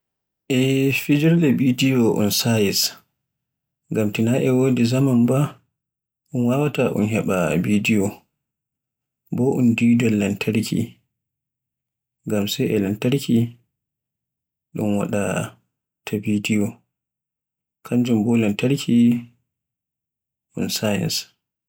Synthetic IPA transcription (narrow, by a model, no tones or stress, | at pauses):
ʔɛfid͡ʒiɾlɛbidijɔʔṵnsajis | ŋɡamtinaʔɛwoːdizamanba | ʔunwawataʔṵnɦɛɓa̰bidijɔ | bɔʔundidɔlːantʰaɾkʰḭ | ŋɡamsɛjɛlantaɾkʰi | ɗṵnwa̰ɗa | tʰabidijɔ | kʰaɲd͡ʒumbɔlɛntaɾkʰi | ʔṵnsajɛ̰ns